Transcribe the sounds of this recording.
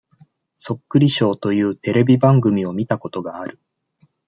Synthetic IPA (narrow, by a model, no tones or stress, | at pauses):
so̞kːɯ̟ɾʲiɕo̞ːt̪o̞jɯ̟ːt̪e̞ɾe̞bʲibãŋɡɯ̟mʲio̞mʲit̪ako̞t̪o̞ɡaːɾɯ̟